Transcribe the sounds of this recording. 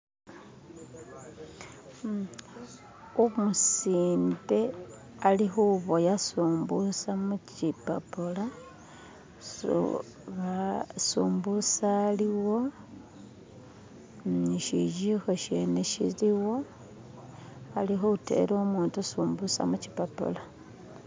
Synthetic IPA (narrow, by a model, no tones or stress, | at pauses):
omusiːmbe̞ | alixuβojasuːmbusamucipa̰pola | sṵ | βasṵːmbusaliwo̞ | iʃiʒixoʃe̞neʃḭliwo̞ | alixoute̞̰ɾoːmuːntusuːmbusa̰mucipapo̰la